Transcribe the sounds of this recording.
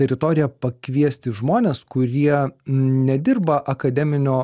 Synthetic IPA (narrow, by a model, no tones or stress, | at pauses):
t̪ʲɛɾʲɪt̪oːɾʲɪjɛpɐkʋʲiɛsʲt̪ʲɪʒmoːnʲeːskʊɾʲiɛnʲɛd̪ʲɪrbɐʔɐkɐd̪ʲɛmʲɪnʲoː